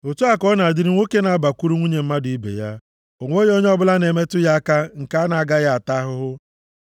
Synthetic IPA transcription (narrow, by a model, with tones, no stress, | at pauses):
o˨tu˦a˦kɔ˦na˨dɪ˦ɾɪ˦ŋʷo˦ke˦na˨a˦ba˨kʷu˦ɾu˦ŋʷu˦ɲe˨m̩˦ma˦dʊ˨i˦bḛ˨ja̰˦ | o˨ŋʷo˦ɲ˦o˦ɲ˦ɔ˦bʊ˦la˦ne˨me˦tʊ˦ja˦ka˦ŋ̩˨ka˦a˦na˨a˨ɡa˦ja˦a˨ta˦ɦʊ˦ɦʊ˦